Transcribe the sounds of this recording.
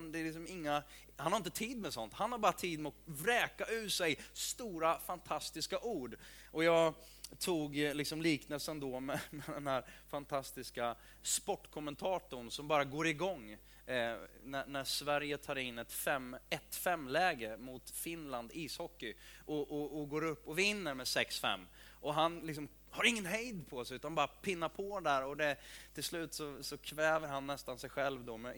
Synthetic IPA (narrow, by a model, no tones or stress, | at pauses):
nd̪ɛlɪksɔmɪŋːa | hanhaɾɪnt̪ət̪ʰiːd̪mɛsɔnt̪hanhaɾbɑːɾat̪ʰiːd̪mɛɔkvɾɛːkaʉ̟ːʂɛjst̪uːɾafant̪ʰast̪ɪskaʔuːɖ | ɔjɑːɡ | t̪ʰuːɡlɪksɔmliːknəlsənd̪ɔmɛmɛd̪ɛnhæːɾfant̪ʰast̪ɪska | spɔʈːkʰɔmɛnt̪ʰɑːʈ̪ʊɳsɔmbɑːɾaɡoːɾɪɡɔŋː | nænæʂvæɾjət̪ʰɑːɾɪnːɛt̪fɛmɛt̪fɛmːlɛːɡəmʊt̪fɪnland̪iːshɔkːɪʔɔʔɔɔɡoːɾɵpːɔvɪnːəɾmɛsɛksfɛ̰mː | ʔɔɦanlɪks̬ɔm | haɾɪŋːənɦɛjd̪pʰɔsɛʉ̟ːt̪anbɑːɾapʰɪnːaɾpʰɔd̪æɾɔd̪ɛt̪ʰɪlslʉ̟ːt̪sɔsɔkʰvɛːvəɾɦanːɛst̪ansɛjɧɛlvd̪ɔmɛ